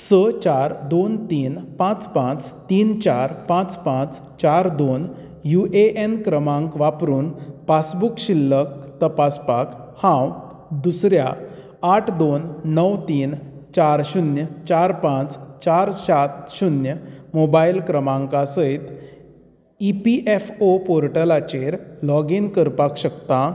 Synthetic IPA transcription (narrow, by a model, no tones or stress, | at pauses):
sət͡ɕaɾd̪ont̪iːnpãt͡spãt͡st̪iːnt͡ɕaɾpãt͡spãt͡s | t͡ɕaɾd̪on | juʔeʔenkɾəmãŋkʋapɾuːnpasbukɕilːək̚t̪əpaspakhãw | d̪usɾjaː | ʈʰd̪onːəwt̪iːnt͡ɕaɾɕunjət͡ɕaɾpãt͡st͡ɕaɾɕat̪ɕunjəmobailkɾəmãŋkasəjt̪ | ipiʔefopoɾʈəlat͡ɕeɾlɔɡinkəɾpakɕəkt̪ã